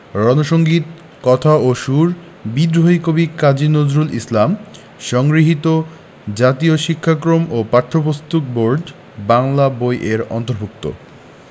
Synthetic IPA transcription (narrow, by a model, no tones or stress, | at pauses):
ɾɔnoʃoŋɡit̪ | kɔt̪ʰaoʃuɾ | bid̪ɾoikobikad͡ʑinozɾulʔislam | ʃɔŋɡɾiɦit̪o | d͡ʑat̪ioʃikʰːakɾomopaɾt̪ʰɾopost̪uk̚boɾɖ | baŋlabojʔeɾɔ̰nt̪oɾbʱuk̚t̪o̰